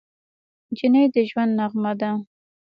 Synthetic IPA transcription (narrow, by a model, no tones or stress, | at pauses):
d͡ʒinəjd̪əʒwand̪naɣmad̪a